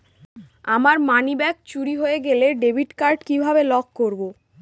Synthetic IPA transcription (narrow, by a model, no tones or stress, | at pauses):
amaɾmanibɛkt͡ɕuɾiɦoeɡeleɖebʱiʈkaɾɖkibʱabelɔkkoɾbo